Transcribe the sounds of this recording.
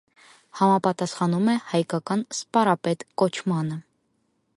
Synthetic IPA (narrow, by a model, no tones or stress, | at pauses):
hɑmɑpɑt̪ɑsχɑnumɛhɑjkɑkɑnspɑɾɑpɛt̪kɔt͡ʃʰmɑnə